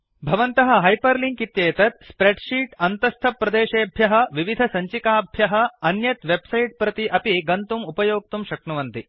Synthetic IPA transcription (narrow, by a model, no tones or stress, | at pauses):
bʱɐʋɐnt̪ɐɦɐ̆ɦɐjpɐɾliŋkit̪jeːt̪ɐt̪spɾeɖʃiːʈɐnt̪ɐst̪ʰɐpɾɐd̪eːʃeːbʱjɐɦɐ̆ʋiʋid̪ʱɐsɐɲt͡ʃikaːbʱjɐɦɐ̆ɐnjɐt̪ʋebsɐjʈ̚pɾɐt̪iʔɐpiɡɐnt̪umupɐjoːk̚t̪umʃɐkɳuʋɐnt̪i